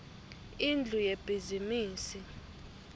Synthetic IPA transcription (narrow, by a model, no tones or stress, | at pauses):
ind͡ɮʱujeb̥ʱizimiːsi